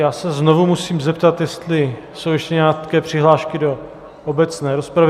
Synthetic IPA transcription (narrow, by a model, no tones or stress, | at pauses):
jaːsɛznovumusiːmzɛpt̪at̪jɛst̪lɪ | so̞wjɛʃcɛɲɛaːkɛːpr̝̥ɪɦlaːʃkɪdo̞ | ʔobɛt͡snɛːɾospɾav